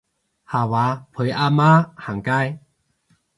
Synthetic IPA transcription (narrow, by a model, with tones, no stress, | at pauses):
ha˨˩wa˨˦pʰwe˨˦ʔa˧ma˦ha˨˩ŋka˦j